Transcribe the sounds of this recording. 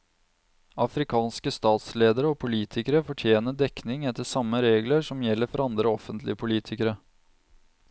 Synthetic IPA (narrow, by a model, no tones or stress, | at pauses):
ɑfɾɪkʰɑːnskəst̪ɑːt̪sleːd̪əɾəɔpʰʊliːt̪ʰɪkəɾəfɔʈʰjeːnəd̪ɛknɪŋɛt̪ːəʂɑmːəɾeːɡləʂɔmjɛlːəɾfɔɾɑnd̪ɾəɔfənt̪lɪ̰əpʰʊliːt̪ʰɪkəɾə